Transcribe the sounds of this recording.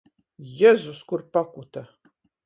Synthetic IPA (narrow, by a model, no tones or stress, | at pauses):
jɛzuskʷʊrpakʷʊt̪ʰɐ